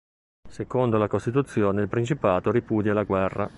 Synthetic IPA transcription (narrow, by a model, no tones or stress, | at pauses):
sekond̪olakost̪it̪ut̪sːjoːneilpɾint͡ʃipaːt̪oɾipuːd̪jalaɡwɛrːa̰